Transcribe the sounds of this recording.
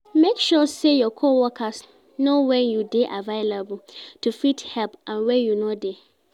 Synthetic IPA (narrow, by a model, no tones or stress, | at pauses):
mekʃusejɔkʰowɔkʰas | nowɛ̃njudeʔavaɪlabl̩tʰufithɛlpʔãnwɛjunode